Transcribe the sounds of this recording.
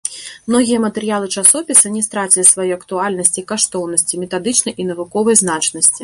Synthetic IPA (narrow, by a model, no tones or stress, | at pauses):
mnɔɣʲijɐmɐt̪ɛɾɨjalˠɨt͡ʂasɔpʲisɐnʲɛst̪ɾat͡sʲilʲisvajɔɐkt̪ualʲnɐsʲt͡sʲikaʂt̪ɔwnɐsʲt͡sʲimʲɛt̪ad̪ɨt͡ʂnɐjʔinɐvukɔvɐjznat͡ʂnɐsʲt͡sʲi